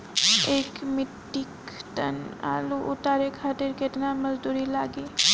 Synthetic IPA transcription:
ekmɪʈːik | t̪əna̰ːluʔʊt̪aɾekʰaːt̪iɾket̪naməzd̪uɾilaːɡi

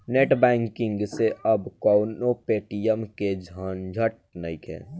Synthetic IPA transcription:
neːʈbɛ̃ːŋkɪ̃ŋɡseʔɐbkɔːʊnopeːʈijəmked͡ʒʱaːnd͡ʒʱəʈ̚ | nəikɦɛ̰̃ː

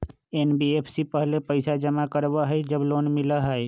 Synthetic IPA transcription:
eːnbieːpʰsipəɦlepəɪsad͡ʒəmakəɾbaɦɛed͡ʒəbloːnmɪlaɦəe

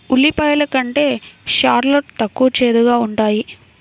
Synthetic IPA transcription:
uɭːipɐjɐlɐkɐɳʈe̞ːʃaːɾloʈt̪ɐkːuʋɐt͡ʃeːd̪uɡaːuɳʈaːji

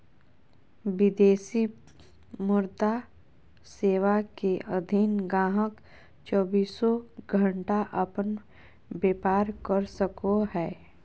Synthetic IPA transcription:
ʋɪd̪eːsi | mʊɾd̪a | seːʋakeʔəd̪ʱinɡãːɦək | t͡ʃɔːbiːsɔɡʱə̃ɳʈaʔəpən | beːpaːɾkəɾsəkoɦɛː

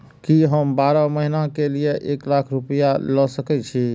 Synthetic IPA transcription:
kiɦəmbaɾɔməɦinakelijeʔeklakʰɾupəjalɔsəkɛt͡ʃʰi

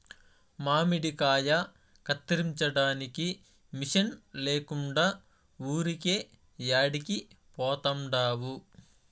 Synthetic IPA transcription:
maːmiɽikaːjɐ | kɐt̪ːɐɾiɲt͡ʃɐɽaːniki | miʂɐnleːkuɳɖaː | uːɾikeː | jaːɽiki | pɔːt̪ɐmɖaːwu

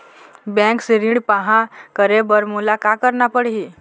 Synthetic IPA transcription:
bɛ̃ŋksiɾĩɳɖpaɦãkəɾebəɾmulakakəɾnapəɽɦiː

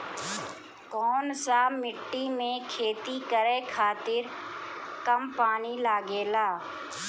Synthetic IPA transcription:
kɔːnsamɪʈːimẽkʰeːt̪ikəɾekʰaːt̪ɪɾ | kəmpaːnilaːɡeːlaː

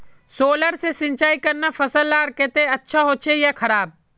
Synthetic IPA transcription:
soːləɾsesɪ̃nt͡ʃaːikəɾnafʰəsəlːaːɾket̪eɐtːʃʰaɦoːt͡ʃʰejakʰɐɾaːb̚

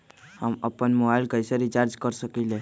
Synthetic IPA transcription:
həməpənmobailkəjsaɾit͡ʃaɾd͡ʒkəɾsəkile

